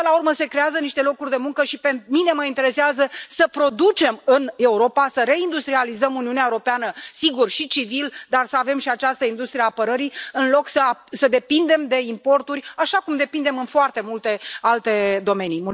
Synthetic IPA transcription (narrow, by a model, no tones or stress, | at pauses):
əlaurməse̞kɾe̞azəniʃt̪e̞lo̞kurʲd̪e̞muŋkəʃipenmine̞məint̪e̞ɾe̞seazəsəpɾo̞d̪ut͡ʃe̞mɨne̞uɾo̞pasəɾe̞ind̪ust̪ɾializəmuniuneaeuɾo̞peanəsiɡurʃit͡ʃivild̪arsəave̞mʃiat͡ʃast̪əind̪ust̪ɾieaːpəɾəɾiɨnlo̞ksəasəd̪e̞pind̪e̞md̪e̞impo̞rt̪urʲaʃakumd̪e̞pind̪e̞mɨnfoart̪e̞mult̪e̞alt̪e̞d̪o̞me̞nimu